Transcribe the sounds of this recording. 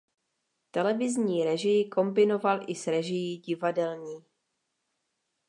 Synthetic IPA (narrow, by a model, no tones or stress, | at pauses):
t̪ɛlɛvɪzɲiːɾɛʒɪjɪko̞mbɪno̞valʔɪsɾɛʒɪjiːɟɪvadɛlɲiː